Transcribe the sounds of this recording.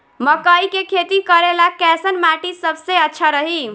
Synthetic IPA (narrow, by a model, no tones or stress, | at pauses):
məkəikekʰet̪ikəɾelakɛsənmaʈisəbʱseətːʃʰaɾəɦi